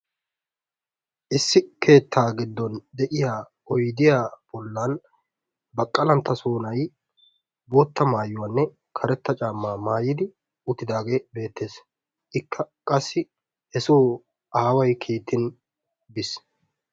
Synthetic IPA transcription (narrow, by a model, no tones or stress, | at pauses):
ʔɪsːɪkʰe̞ːt̪ːaːɡɪd̪ːɔnd̪ɛʔɪjaː | ɔjd̪ɪjaːb̥ɔlːan | bɐkʼːɐlɐnt̪ːɐsoːnɐj | boːt̪ːɐmaːjʊwaːnːɛ | kʰɐɾɛt̪ːɐt͡ʃʼaːmːaːmaːjɪd̪ɪ | ʊt̪ːɪd̪aːɡe̞ːbe̞ːt̪ːe̞ːs | ʔɪkːɐkʼɐsːɪ | hɛsoː | aːwɐjkʰiːt̪ːɪn | bɪs